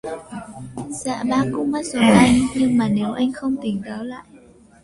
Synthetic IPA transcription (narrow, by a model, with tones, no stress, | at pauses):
sa̰ː˧˨ɓaː˧kʊ̰˧˥ŋ͡mmaː˨˧˥so˨˦ʔa˧jŋɲɨ˧ŋmaː˨˩ne˨˦wʔa˧jŋ̟xə˧wŋ͡mt̪ï˨˩ŋ̟ɗ̪aː˨˦la̰ː˧˨j